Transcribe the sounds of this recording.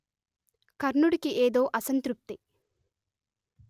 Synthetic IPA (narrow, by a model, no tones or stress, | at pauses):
kɐɾnuɽikiʔeːd̪o̞ːʔɐsɐnt̪ɾup̚t̪i